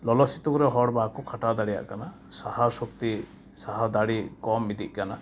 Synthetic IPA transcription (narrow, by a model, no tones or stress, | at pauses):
lɔlɔsit̪ɔkɔɾɛɦɔɽbakukʰaʈad̪aɽija̰ʔkana | sahasuk̚t̪i | saɦad̪aɽikɔmid̪iʔ̚ˀkana